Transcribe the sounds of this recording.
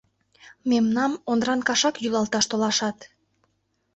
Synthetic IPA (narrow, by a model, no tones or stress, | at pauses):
memnɑmond̪ɾɑnkɑʃɑkjylɑlt̪ɑʃt̪olɑʃɑt̪